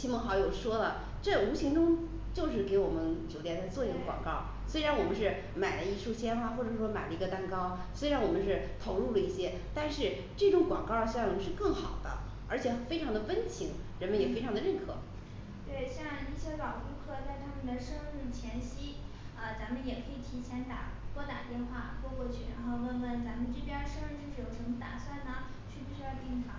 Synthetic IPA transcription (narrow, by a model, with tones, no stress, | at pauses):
t͡ɕʰi˥mɤ˧˥xɑ˧˥ʊjo˨˩ʊʂwɔ˥lə˨ | ʈ͡ʂɤ˥˩u˧˥t͡ɕʰi˧˥ŋʈ͡ʂʊ˥ŋ | t͡ɕjo˥˧ʊʂɻ̩˥˩ke˧˥ɪwɔ˨˩mə˦nt͡ɕjo˨˩ʊt̪jɛ˥˩nt͡sa˥˧ɪt͡swɔ˥˧i˥˩ɡə˧ŋkwɑ̰˨˩ŋkɑ˥˩ʊ | swe˥ɪɻa˧˥nwɔ˨˩mə˦nʂɻ̩˥˩ | ma˨˩ɪlə˦i˥˧ʂu˥˩ɕʰjɛ˥nxwa˥˩xwɔ˥˩ʈ͡ʂɤ˨˩ʂwɔ˥ma˨˩ɪlə˦˧i˧˥ɡə˧t̪a˥˧nkɑ˥ʊswe˥ɪ˧ɻa˧˥nwɔ˨˩mə˦nʂɻ̩˥˩ | t̪ʰo˧˥ʊɻu˥˩lə˩i˥˩ɕjɛ˥ | t̪a˥˧nʂɻ̩˥˧ | ʈ͡ʂɤ˥˩ʈ͡ʂʊ˧˥˩ŋkwɑ̰˨˩ŋkɑ˥˧ʊɕʊ˧˥ʂɻ̩˥˧kɤ˥˩ŋxɑ˨˩ʊd̪ə̰˦ | ə˞˧˥t͡ɕʰjɛ˨˩fe˥ɪʈ͡ʂʰɑ˧˥ŋd̪ə˧fə˥nt͡ɕʰi˧˥ŋɻə˧˥nmə˧˥njɛ˨˩fe˥ɪʈ͡ʂʰɑ˧˥ŋ˥d̪ə˧ɻə˥˩nkʰɤ̰˨˩˦ | t̪we˥˩ɪɕjɑ˥˧ŋi˥˩ɕjɛ˥kɑ˨˩ʊʈ͡ʂu˥˧kʰɤ˥˩t͡sa˥˧ɪt̪ʰa˥mə˨nd̪ə˩ʂɤ˥ŋɻu˥˩t͡ɕʰjɛ˧˥nɕi˥ | ə˧t͡sa˧˥nmə˧njɛ˨˩kʰɤ˧˥i˨˩t̪ʰi˧˥t͡ɕʰjɛ˧˥nt̪a̰˨˩t̪wɔ˥t̪a̰˨˩t̪jɛ˥˧nxwa˥˩kwɔ˥˧kwɔ˥˧t͡ɕʰy˥˩ɻa̰a˧˥nxo˥˧ʊwə˥˩nwə˥˩nt͡sa˧˥mə˧nʈ͡ʂi˥˩pjɛ˥ʂɤ˥ɻ̩˥˧t͡ɕjo˥˧ʂɻ̩˥˩jo˨˩ʊʂə˧˥mə˧˩t̪a̰˨˩swa˥˩nlə˩ | t͡ɕʰy˥˧˩pu˥˩ɕy˥jɑ˥˧t̪ji˥˩ŋkʰɑ̰˨˧˥